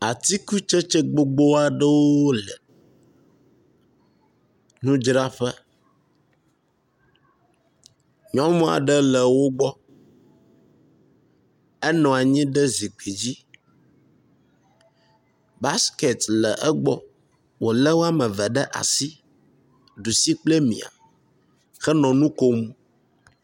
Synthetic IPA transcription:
a˨t̪i˦ku˦t͡ʃə˦t͡ʃə˦ɡ͡bo˦ɡ͡bo˦a˨ɖə˦wo˦lə˨ | nũ˦d͡ʒɾa˦ɸə˦ | ɲɔ̃˦mɔ̃˦a̰˨ɖə˦lə˨wo˦ɡ͡bɔ˦ | ɛ˦nɔ̃˨a˨ɲĩ˦ɖə˦zi˨k͡pi˨d͡ʑi˦ | ba˦ske˨t̪lɛ˨ʔɛ˦ɡ͡bɔ˦ | wo˨lɛ˦wo˦a˦mə̃˨və˨ɖə˦ʔa̰˨si˦ | ɖu˨si˦k͡plɛ˦mḭ̃˨a̰˨ | xɛ˦nɔ̃˨nũ˦ko˦mu˦

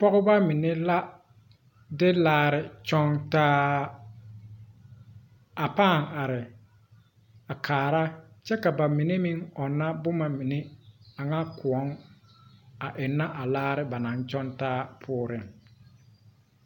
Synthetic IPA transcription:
pɔ˦ɣʊ˦ba˦mi˨ne˦la˦ | dɪ˦laː˦ɾɪ˨t͡ʃɔ˦ŋtaː˦ | a˨paː˦˨ŋa˨ɾɪ˨ | a˨kʰaː˨ɾa˦t͡ʃɛ˦ka˨ba˨mi˨ne˦mi˦ŋɔ˨nːa˦bʊ˦ma˨mi˨ne˦a˨ŋa˦kʊ˨ɔ˦ŋ | a˨ʔɪ˨nːa˦ʔa˨laː˦ɾɪ˦ba˨nã˨˦nt͡ʃɔ˦ntaː˦pʰʊː˦ɾɪ˨ŋ

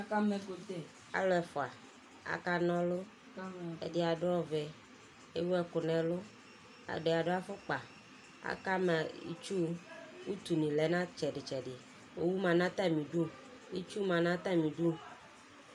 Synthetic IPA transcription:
ka˦mɛ˨ko˨t̪e˨ | a̰˦lo˦ɛ˨fɔ˨a˨ | a̰˨ka˦nɔ̃˦lo˦ | ḛ˨de˦a˨ɖo˦ɔ˦vɛ˨ | e˦wo˦ɛ˦kʊ˨nɛ̃˨lo˦ | a̰˨ɖe˨a˨ɖo˦a˦fʊ˦k͡pa˨ | a̰˨ka˦ma˨ḭ˦t͡ʃu˦wu˦t̪u˨nĩ˨lɛ˨˦nã˦t͡ʃɛ˨ɖɪ˨t͡ʃɛ˨ɖɪ˨ | wo˨wu˦mã˨nã˦t̪a˦˨mĩ˨ɖu˦ | i˦t͡ʃu˦mã˨nã˦t̪a˦˨mĩ˨ɖu˦

